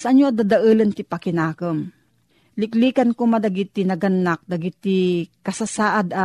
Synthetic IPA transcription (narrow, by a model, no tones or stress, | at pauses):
sɐʔɐɲjoʔɐd̪ad̪ɐʔɨlɐnt̪ɪpɐkɪnaːkəm | lɪkliːkɐnkomɐd̪ɐɡit̪ɪnɐɡɐnːak̚d̪ɐɡɪt̪ɪkɐsasaːʔad̪ɐ